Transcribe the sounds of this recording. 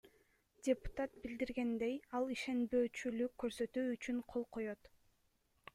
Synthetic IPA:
dʲepu̥t̪at̪̚bild̪iɾɡe̞nd̪ejɑlˠiʃe̞nbø̞ːt͡ʃylykːø̞ɾsø̞t̪yːt͡ʃyɴqʰo̞lˠqʰo̞jo̞t̪

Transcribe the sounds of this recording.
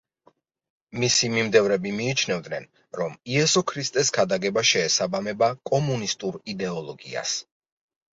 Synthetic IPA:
misimimd̪ɛvɾɛbimiːt͡ʃʰnɛvd̪nɛn | ɾɔmiɛsɔkʰɾist̪ʼɛs̬ɡad̪aɡɛbaʃɛːsabamɛbakʼɔmunist̪ʼuɾid̪ɛɔlˠɔɡḭa̰s

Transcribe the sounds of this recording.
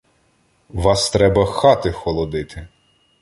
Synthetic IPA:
ʋɑst̪ɾɛbɐxɑt̪ɪxɔlˠɔd̪ɪt̪ʰɪ

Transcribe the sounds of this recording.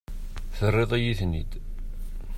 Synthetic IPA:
θərːeðˤæjiθnid̪

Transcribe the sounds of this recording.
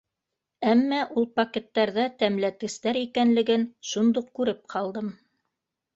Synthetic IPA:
æmːæʔulˠpɐkʲet̪ːɑɾðɑt̪æmlæt̪ɡɘ̆st̪æɾikænlɘ̆ɡɘnʃund̪uqkʉɾɘp̚qʰɑlˠd̪ɤm

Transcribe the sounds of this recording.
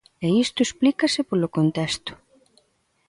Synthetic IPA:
eist̪ʊesplikɐsɪpolokont̪ɛst̪ʊ̥

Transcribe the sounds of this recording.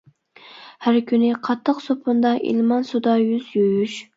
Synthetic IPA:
hæɾkʲʰynɪqʰɑt̪ʰːəqsopʰʊnd̪ɑʔḭlmɑnsud̪ɑjyzjojyʃ

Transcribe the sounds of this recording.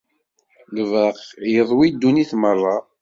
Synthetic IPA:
ləvəqjəðˤwid̪ːuniθmərˤːɑ

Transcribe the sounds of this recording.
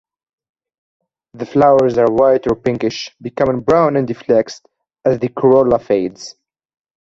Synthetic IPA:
ðəflawə˞zəɹwaɪtɔɹpɪ̃ŋkɪʃbɨkʌmɪ̃ŋbɹãʊ̃nɨ̃ndɨflɛkst | ɨzðɨkʰɔɹoləfeɪdz̥

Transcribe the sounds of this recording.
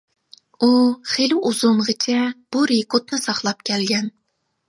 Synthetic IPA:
uχeluʔuzumʁɨt͡ʃʰɛb̥uɾekot̪nɨsɑχlˠɑp̚kʲʰɛlɡʲɛn

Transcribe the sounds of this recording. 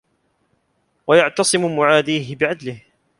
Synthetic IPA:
wajaʕt̪ɑsˤɨmʊmʊʕaːd̪iːɦɪbɪʕad̪lɪh

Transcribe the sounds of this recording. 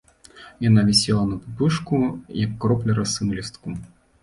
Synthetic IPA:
janavʲɛsʲɛlˠɐnɐpɨpɨʂkujɐkːɾɔplʲɛɾɐsɨmlʲɛst̪ku

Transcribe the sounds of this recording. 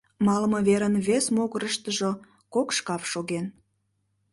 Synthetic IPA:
mɑlməβeɾənβesmoɣəɾəʃt̪əʒo | kokʃkɑfʃoɣen

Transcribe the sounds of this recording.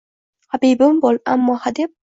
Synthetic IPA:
habibɪmbolˠa̰mːɒːhad̪ɪp̚

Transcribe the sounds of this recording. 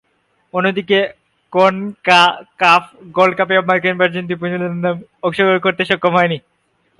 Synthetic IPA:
onːod̪ike | konkakafɡolkapeɔbmalkenpaɾd͡ʑint̪̬ip̬uɲolnd̪amokʃoɡoɾkoɾt̪eʃɔkːomɦɔeni

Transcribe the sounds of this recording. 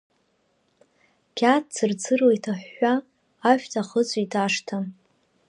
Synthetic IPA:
kʲʰat̚t͡sɨrt͡sʰɨrwejtʰaħːaː | ʃᶣtʰaχət͡sʷʼitʰaʂtʰa

